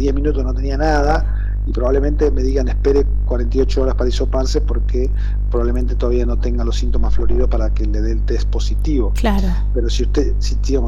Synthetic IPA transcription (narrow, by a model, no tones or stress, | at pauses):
ðjeminut̪osno̞t̪enianaða | ipɾo̞βaβlemẽnt̪eme̞ðiɣanehpeɾe | kwaɾent̪aijot͡ʃooɾaspaɾaisopaɾse̞po̞ɾke | pɾoβaβle̞ment̪e̞t̪oaβiano̞t̪eŋɡalosint̪omasflo̞ɾið̞opaɾakeleðelt̪es̚po̞sit̪iβo̞klaɾo | peɾo̞siust̪e | sint̪ji